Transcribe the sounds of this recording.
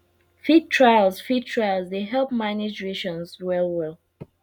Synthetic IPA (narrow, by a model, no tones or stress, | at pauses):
fitʰɹaɪlsfitʰɹaɪlˠzdeɦɛlpmanɪd͡ʒɹeʃɔ̃nzwɛlwɛlˠ